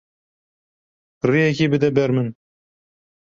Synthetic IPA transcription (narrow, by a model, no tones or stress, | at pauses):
rijɛkʲiːbɨd̪ɛbɛɾmɨn